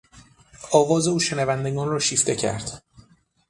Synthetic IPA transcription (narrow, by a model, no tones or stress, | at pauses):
ɒːvɒːze̞uːʃenævænd̪eɡɒːnrɒːʃiːft̪ʰe̞cʰæ̰ɾd̪̥